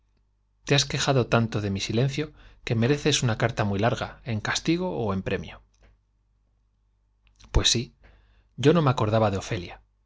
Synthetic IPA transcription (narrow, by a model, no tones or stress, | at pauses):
t̪easke̞xaðo̞t̪ant̪o̞ðe̞misile̞n̟θjo̞ke̞me̞ɾe̞θe̞sunakaɾt̪amijlaɾɣae̞ŋkast̪iɣ̞o̞ːe̞mpɾe̞mjo̞ | pwe̞sːi | ɟ͡ʝo̞no̞meako̞ɾð̞aβaðeo̞fe̞lja